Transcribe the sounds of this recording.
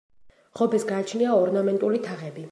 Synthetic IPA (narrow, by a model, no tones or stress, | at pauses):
ʁɔbɛsɡaːt͡ʃʰniaɔɾnamɛnt̪ʼulit̪ʰaʁɛbi